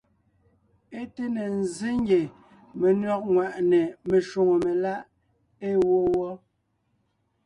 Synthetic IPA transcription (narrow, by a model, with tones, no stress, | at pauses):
e˦te˦ne˨n̩˨zi˦ŋ˦ɡe˨ | me˨nɥɔ˦k̚ŋwa˨ʔnɛ˨me˨ʃo˨ŋo˨me˨la˦ʔ | e˦wo˦wɔ˦